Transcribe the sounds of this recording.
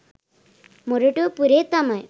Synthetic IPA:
moɾoʈopuɾet̪amaj

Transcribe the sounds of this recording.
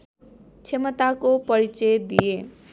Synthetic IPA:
t͡sʰemʌt̪akopʌɾit͡sejd̪ije

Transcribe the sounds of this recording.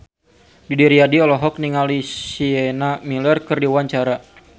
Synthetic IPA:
didiɾiadiɔlɔɦɔk̚niŋalisienamilərkɨrdiwaɲt͡ʃaɾa

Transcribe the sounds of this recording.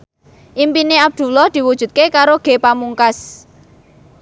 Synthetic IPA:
ʔimpineab̚d̪̥ṳlɔhd̪̥i̤wud̥ʒ̥ṳt̪̚kekaɾoɡ̥e̤pamuŋkas

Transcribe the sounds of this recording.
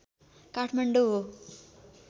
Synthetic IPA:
kaʈʰmɐɳɖuɦo

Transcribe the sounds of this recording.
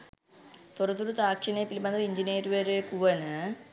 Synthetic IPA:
t̪orɐt̪ːuɾut̪aːkʂinɐpːilimɐnd̪ɐiɲd͡ʒineːɾuʋɐɾekuʋɐnɨ

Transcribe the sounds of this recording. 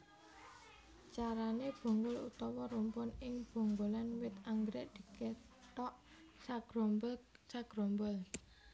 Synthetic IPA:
t͡ʃaɾaneb̥o̤ŋɡʊlṵt̪ɔwɔɾumpʊnɪŋb̥o̤ŋɡolanwɪt̪aŋɡɾeʔd̪̥i̤ke | ʈ̪ɔʔ | saɡ̥ɾomblsaɡ̥ɾombəl

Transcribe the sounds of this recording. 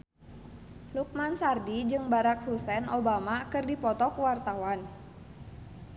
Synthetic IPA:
luk̚mansardid͡ʒɨŋbaɾak̚husɛnobamakɨrdipɔt̪ɔkuwart̪awan

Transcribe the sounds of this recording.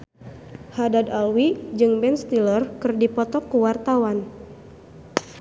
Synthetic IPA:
hadadalwid͡ʒɨŋbɛnst̪ilərkɨrdipɔt̪ɔkːuwart̪awan

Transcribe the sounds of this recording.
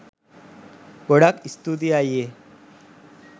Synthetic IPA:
ɡ̥oɽakist̪ud̪iaje

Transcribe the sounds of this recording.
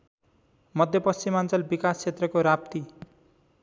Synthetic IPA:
mʌd̪ʱjʌpʌst͡simant͡sʌlbikast͡sʰet̪rʌkoɾapt̪i

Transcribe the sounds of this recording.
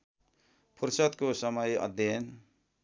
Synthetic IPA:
pʰuɾsʌt̪kosʌmʌjʌ̰d̪ʱjen

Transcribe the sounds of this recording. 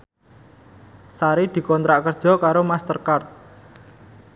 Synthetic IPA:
saɾid̪̥i̤kɔnt̪ɾaʔkərd̥ʒ̥ɔ̤kaɾomast̪ərkart̪̚

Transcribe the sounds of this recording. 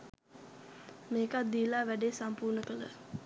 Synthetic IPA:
meːkat̪̚d̪iːlaːʋæɖeːsampurnəkələ̰

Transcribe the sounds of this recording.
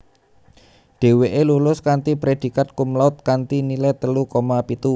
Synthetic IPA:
ɖ̥e̤weʔelulʊskant̪ipɾed̪̥i̤kat̪̚kʊmlaʊt̪̚kant̪inilɛt̪əlukomapit̪u

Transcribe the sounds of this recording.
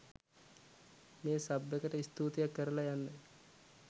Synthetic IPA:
meːsabːəkəʈəist̪uːt̪ejakːəɾəlajanːə

